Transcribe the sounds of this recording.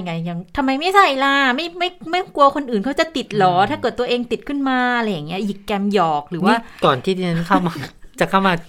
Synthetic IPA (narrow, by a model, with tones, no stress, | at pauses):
ŋa˧˩ja˧˩ŋt̪ʰa˧mːa˧jma˥˩jsa˥˩laː˧˥˩ma˥˩jma˥˩jma˥˩ku˧ɐkʰo˧nʔɯː˨˩nkʰa˦˥wt͡ɕa˨˩t̪i˨˩t̪̚lɔː˨˦t̪ʰaː˥˩kɤː˨˩t̪ːu˧ɐʔeː˧ŋt̪i˨˩t̪̚kʰɯ˥˩nmaː˧la˧jːa˨˩ŋːi˦˥ɐʔji˨˩kːɛː˧mjɔː˨˩k̚ɾɯː˩˦waː˥˩kɔː˨˩nt̪ʰiː˥˩t̪ʰiː˧na˦˥nkʰa˥˩wmaː˧t͡ɕa˨˩kʰa˥˩wmaː˧